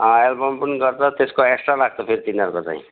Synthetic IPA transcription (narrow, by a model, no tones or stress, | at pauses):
ʌ̃elbʌmpunɡʌrt͡sʰʌt̪eskoeksʈralaɡ̚t͡sʰʌpʰeɾit̪inʌɾkot͡sã̰ḭ̃